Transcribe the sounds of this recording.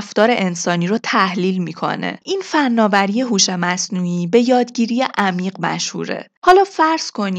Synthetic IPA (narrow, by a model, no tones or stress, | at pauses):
ft̪ɒːɾe̞ʔensɒːniːɾot̪ʰæhliːlmiːkʰo̞̰ne̞̰ʔiːnfænːɒːvæɾijeɦuːʃemæsnuiːbe̞jɒːd̪ɟiːɾije̞ʔæmiːɢmæ̰ʃhṵːɾḛhɒːlɒːfæɾz̥kʰo̞ni